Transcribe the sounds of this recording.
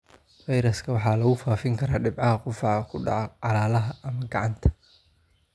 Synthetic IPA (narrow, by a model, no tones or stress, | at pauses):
fɐjɾɐskʰɐwɑħɑːlɐɣʊfaːfɪŋkʰɐɾaːɖɪbʕɑɦɐqʊfɑʕkʰʊɖɑ̰ʕɔʕɑlaːlɐɦɐɐmɐɡɑʕɑnt̪ʰɐ̥